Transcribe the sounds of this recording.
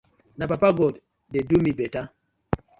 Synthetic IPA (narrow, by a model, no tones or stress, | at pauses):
napapaɡɔd | dedumibɛta